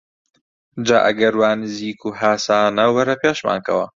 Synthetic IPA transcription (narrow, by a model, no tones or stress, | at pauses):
d͡ʒaːʔɐ̰ɡɐɾwaːnɨziːkʰuːɦaːsaːnɐwbɐɾɐpeːʃma̰ːnkɐ̰wɐ̰